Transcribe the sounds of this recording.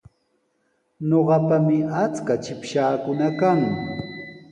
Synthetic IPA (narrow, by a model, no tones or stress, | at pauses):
ɲoɢɑpamɪat͡skat͡ʃɪpʃaːkʊnakaŋ